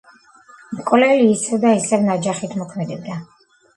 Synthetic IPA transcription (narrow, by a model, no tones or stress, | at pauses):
mkʼɔlɛliːsɛvd̪aisɛvnad͡ʒaχit̪ʰmɔkʰmɛd̪ɛb̚d̪a